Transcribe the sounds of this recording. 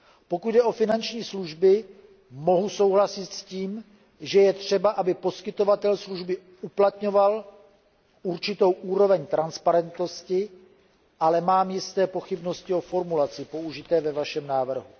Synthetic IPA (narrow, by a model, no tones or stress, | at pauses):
po̞kud̪dɛʔo̞fɪnant͡ʃɲiːsluʒbɪ | mo̞ɦuso̞wɦlasɪt̪sciːm | ʒɛjɛt̪r̝̥ɛbaʔabɪpo̞skɪt̪o̞vat̪ɛlsluʒbɪ | uplat̪ɲo̞val | ʔuɾt͡ʃɪt̪o̞wʔuːɾo̞vɛɲt̪ɾanspaɾɛnt̪noscɪ | ʔalɛmaːmjɪst̪ɛːpo̞xɪbno̞scɪo̞fo̞ɾmulat͡sɪpo̞uʒɪt̪ɛːvɛvaʃɛmnaːvr̩ɦu